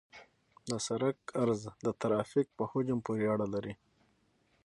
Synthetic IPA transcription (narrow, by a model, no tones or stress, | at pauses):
d̪əsaɾakaɾzd̪ət̪aɾɑfik̚pəhod͡ʒampuɾeaɽalaɾi